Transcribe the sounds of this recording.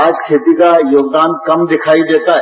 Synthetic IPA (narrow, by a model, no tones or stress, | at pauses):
aːd͡ʒkʰeːt̪ikajoːɡd̪aːnkɐmd̪ɪkʰaːid̪eːt̪aɦ